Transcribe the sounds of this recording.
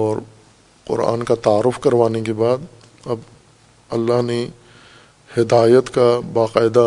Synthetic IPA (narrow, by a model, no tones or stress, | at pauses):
ɔːɾ | qʊ̰ɾa̰ːnkat̪aːɾːʊfkɐɾʋaːnekebaːd̪ | ɐb | ɐlːaɦne | hɪd̪aːjət̪kabaːqaːɪd̪a